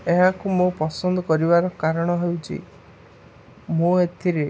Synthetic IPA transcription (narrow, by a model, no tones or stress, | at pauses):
eɦakumopɔsɔnd̪ɔkɔɾibaɾɔkaɾɔɽ̃ɔɦewt͡ʃʰḭ | moet̪ʰiɾe